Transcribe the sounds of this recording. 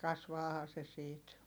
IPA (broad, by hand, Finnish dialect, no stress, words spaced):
kɑsʋɑːhɑː se siːt